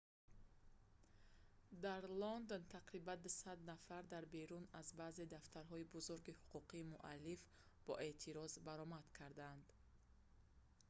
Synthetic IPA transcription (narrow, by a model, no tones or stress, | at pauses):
d̪aɾlɔnd̪ont̪ʰaqɾiband̪usad̪nafaɾd̪aɾbeɾunazbaːze̞d̪aft̪ʰaɾɦɔibuzuɾɡihuqʰuqʰiːmuʔa̰lːif | b̥ɔ̰ʔe̞t̪ʰiɾɔzbaɾɔmad̪kʰaɾd̪and̪